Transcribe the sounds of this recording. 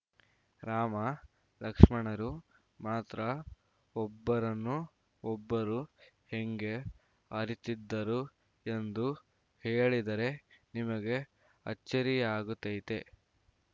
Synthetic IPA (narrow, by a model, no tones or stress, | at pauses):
ɾaːmɐ | lɐkʂmɐɳɐɾu | maːt̪ɾɐ | ɔbːɐɾɐnːu | ɔbːɐɾu | he̞ŋɡe̞ | ɐɾit̪id̪ːɐɾu | end̪u | heːɭid̪ɐɾe̞nimɐɡe̞ | ɐ̰t͡ʃt͡ʃːɐɾijɐaːɡut̪ːejt̪e